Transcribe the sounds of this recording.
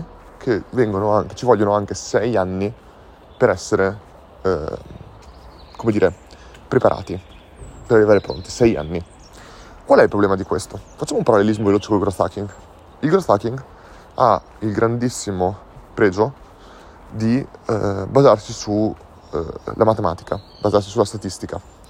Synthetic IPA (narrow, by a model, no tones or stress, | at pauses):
kʰevɛŋɡonoaŋket͡ʃivɔʎːonoaŋk̟esɛjanːi | peɾɛsːeɾe | komed̪iːɾe | pɾepaɾʔa̰ːt̪i | peɾarivaːɾepɾo̰nt̪i̥sɛja̰nːi | kwalɛilpɾoblɛːmad̪ikwest̪ofat͡ʃːamoumpaɾalːelizmoveloːt͡ʃekolɡɾoθa̰k̟iŋɡ | ilɡɾoθakiŋɡ | a̰ | ilɡɾand̪isːimo | pɾɛːd͡ʒo | d̪i | bazarsisṵ | lʔamat̪emaːt̪i̥ka | bazarsisulast̪at̪ist̪ika